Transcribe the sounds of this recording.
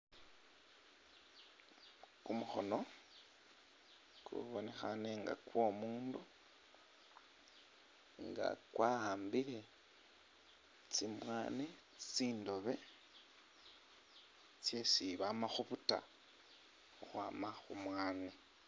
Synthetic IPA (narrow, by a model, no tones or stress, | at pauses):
kumuxo̞̰no̞ | kʰṵβone̞xaneŋɡa̰kwo̞muːndu | ŋɡa̰kwaːhaːmbiɾe̞ | t͡simwaːne | t͡siːndo̞βe̞ | t͡sjesiβamaxuβuta̰ | uxwa̰ːmaxumwaːne